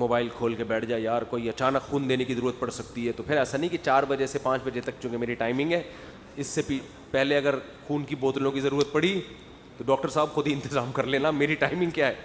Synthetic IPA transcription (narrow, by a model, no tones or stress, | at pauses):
moːbaːɪlkʰoːlkebɛːʈʰd͡ʒaːejaːɾkoːiɐt͡ʃaːnəkxuːnd̪eːnekizɐɾuːɾət̪̚pɐɽsɐk̚t̪iɦɛt̪opʰɪɾɛːsanɐɦĩkit͡ʃaːɾbɐd͡ʒesepãːt͡ʃbɐd͡ʒet̪ɐk̚t͡ʃjũːkemeːɾiʈaːɪmɪ̃ŋɡɦɛː | ɪsːepi | pɛɦleɐɡəɾ | xuːnkiboːt̪lõkizɐɾuːɾət̪̚pɐɽi | t̪oɖɔːk̚ʈəɾsaːbxʊd̪ʱiɪ̃nt̪ɪzaːmkɐɾleːnameːɾiʈaːɪmɪ̃ŋɡkjaːɦɛː